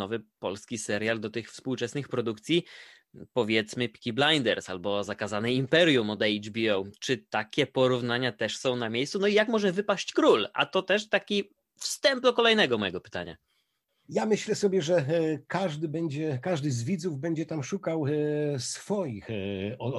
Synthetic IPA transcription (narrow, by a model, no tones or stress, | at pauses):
ɔvɘpɔlskʲisɛɾjald̪ɔt̪ɘxfspuwt͡ʂɛsnɘxpɾɔd̪ukt̪sʲji | pɔvʲjɛt̪smɘpʲi̥kʲiblajnd̪ɛɾsalbɔzakazanɘimpɛɾjumɔd̪ɛjd͡ʒbʲiɔwt͡ʂɘt̪akʲɛpɔɾuvnaɲat̪ɛʂsɔ̃w̃namʲjejssunɔijakmɔʐɛvɘpaɕt͡ɕkɾula̰t̪ɔt̪ɛʂt̪akʲi | fst̪ɛmp̚d̪ɔkɔlɛjnɛɡɔmɔjɛɡɔpɘ̥t̪a̰ɲa̰ | jamɘɕlɛsɔbʲjɛʐɛkaʐd̪ɘbɛɲd͡ʑɛkaʐd̪ɘzvʲid̪zuvbɛɲd͡ʑɛt̪amʂukawsfɔjixɔ